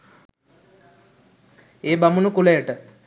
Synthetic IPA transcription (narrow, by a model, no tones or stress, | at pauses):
eːbamunukulejəʈə